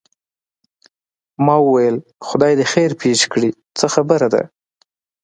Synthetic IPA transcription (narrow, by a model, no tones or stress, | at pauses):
mɑwəwajəlxʊd̪ɑjd̪əxeɾpeʃkɽi | t͡səxabəɾad̪a̰